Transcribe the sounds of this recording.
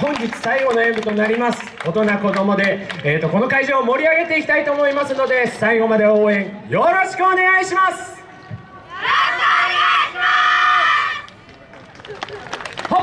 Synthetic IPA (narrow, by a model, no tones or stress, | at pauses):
hõ̞ɲd͡ʑit͡sɨ̥saiɡo̞no̞ẽ̞mbɯ̟t̪o̞naɾʲimasɨ̥o̞t̪o̞nako̞d̪o̞mo̞d̪e̞eːt̪ːo̞ko̞no̞kaiʑoːmo̞ɾʲiaɡe̞t̪e̞ikʲi̥t̪ait̪o̞ːmo̞imasɨno̞d̪e̞saiɡo̞mad̪e̞o̞ːẽ̞ɰ̃jo̞ɾo̞ɕi̥kɯone̞ɡaiɕimasɨ̥ | ho